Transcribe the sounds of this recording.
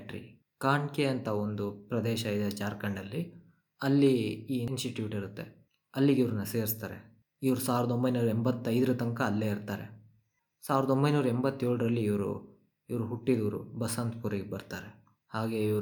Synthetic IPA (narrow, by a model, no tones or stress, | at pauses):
ʈɾḭ | kaːɳkeɐnt̪ɐond̪upɾɐd̪ɛːʃɐid̪et͡ʃaːɾkɐɳɖɐlːi | ɐlːiiːnsʈiʈjuːʈiɾut̪ːe̞ | ɐlːiɡiʋɾunːɐse̞ːɾist̪aːɾḛ | iʋɐɾusaːʋiɾɐd̪o̞mbɐjnuːɾɐembɐt̪ːɐjd̪ɐɾɐt̪ɐŋkɐːlːeːiɾt̪aːɾḛ | saːʋiɾɐd̪ombɐjnuːɾɐembɐt̪ːjoːɭɖɐɾɐlːiːʋɾṵ | iʋɐɾuɦuʈːid̪ɐʋɐɾṵbɐsɐnt̪puɾɐɡebɐɾt̪aːɾe | haːɡe̞ːiʋɐ